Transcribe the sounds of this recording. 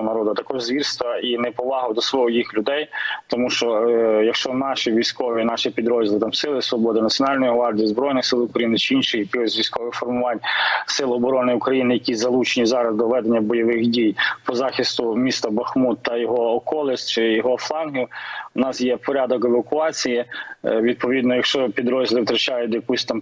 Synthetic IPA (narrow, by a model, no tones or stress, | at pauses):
nɐɾɔd̪ɐt̪ɐkɔʒzʋʲirst̪ʋɐinɛpɔʋɑɦʊd̪ɔsʋɔɦɔjixlʲʊd̪ɛjt̪ɔmuʃt͡ʃɔjɐkʃt͡ʃɔnɑʃiʋʲijsʲkɔʋʲinɑʃipʲid̪ɾɔzʲilˠɪt̪ɑmsɪlˠɪsʋɔbɔd̪ɪnɐtt͡sʲjɔnɑlʲnɔjiʋɑrdʲiizbɾɔjnɪxsɪlˠʊkɾɐjinɪt͡ʃɪinʃɪjɐkɪxɔsʲʋʲijsʲkɔʋɪxfɔrmʊʋɑnʲsɪlˠɔbɔɾɔnɪʊkɾɐjinɪjɐkʲizɐlˠut͡ʃenʲizɑɾɐzd̪ɔʋɛd̪enʲːɐbɔjɔʋɪxdʲijpɔzɑxʲɪst̪ʊmʲist̪ɐbɐxmud̪̚t̪ɐjɔɦɔːkɔlˠɪsʲt͡ʃɪjɔɦɔflˠɑnɦiʊnɑsjɛpɔɾʲɑd̪ɔkeʋɐkʊɑt͡sʲijiʋʲid̪̚pɔʋʲid̪nɔjɐkʃt͡ʃɔpʲid̪ɾɔzʲɪlˠɪwt̪ɾɐt͡ʃɑjʊtd̪jɐkusʲt̪ɑm